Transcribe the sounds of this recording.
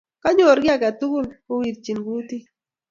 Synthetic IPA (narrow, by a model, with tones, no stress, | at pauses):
ka˦ɲo˨ɾɡɪ˦a˨ka˨tu˦ɡu˦˨lko˦wi˨ɾt͡ʃi˨nɡu˦ti˦